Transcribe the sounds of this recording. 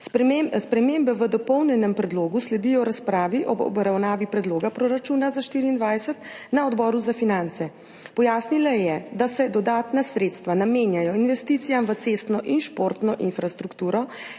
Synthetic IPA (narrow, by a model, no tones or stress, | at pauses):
spɾɛmembɛʋəd̪ɔpɔwnjɛnɛmpɾɛd̪loːɡuslɛd̪iːjɔɾaspɾaːʋiʔɔɔ̰bɾawnaːʋipɾɛd̪loːɡapɾɔɾat͡ʃuːnazaʃt̪iːɾiːnd̪ʋaːjsɛt̪naɔd̪bɔɾuzafinant̪sɛ | pɔjaːsnilajɛd̪asɛd̪ɔd̪aːt̪nasɾeːt̪st̪ʋanameːnjajɔinʋɛst̪it̪sijamʋət̪sest̪nɔʔinʃpoɾt̪nɔʔinfɾast̪ɾukt̪uːɾɔ